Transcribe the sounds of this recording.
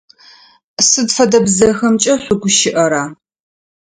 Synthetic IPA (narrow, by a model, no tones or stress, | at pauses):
sɨdfɐdɐbzɐxɐmt͡ʃʼɐɕʷʊɡʷʊʃɪʔɐɾaː